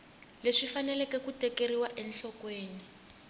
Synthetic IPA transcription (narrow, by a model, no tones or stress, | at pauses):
leʂifanɛlɛkɛkutɛkeɾiwaʔɛnɬɔkweːni